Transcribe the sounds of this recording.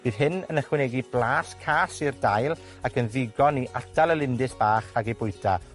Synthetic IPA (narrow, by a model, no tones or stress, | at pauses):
b̥ɨːð̥ɦɨnə̰nəχwɪnɛɡiblˠaːskʰaːsirdajlˠ | akənðɪɡɔniʔadʰalˠəlˠɪndɨsb̥aːχaɡejbʊɨdʰa